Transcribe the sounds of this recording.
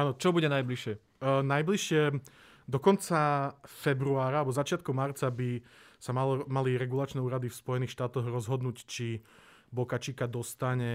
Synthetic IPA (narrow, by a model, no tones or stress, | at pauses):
aːnɔt͡ʃɔbuɟɛnajbliʃɪɛ | najbliʃɪɛ | d̪ɔkɔnt͡safɛbɾuaːɾaalɛbɔzat͡ʃɪat̪̚kɔʊmaɾt͡sabisamamaliɾɛɡulat͡ʃnɛuːɾad̪ifspɔjɛniːxʃt̪aːt̪ɔɣɾɔzɦɔd̪nuːct͡ʃi | bɔkat͡ʃikad̪ɔst̪aɲɛ